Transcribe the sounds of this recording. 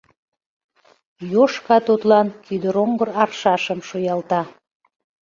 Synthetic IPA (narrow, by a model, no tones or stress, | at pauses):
joʃkɑt̪ut̪lɑnkyd̪əɾoŋɡəɾɑrʃɑʃəmʃojɑlt̪ɑ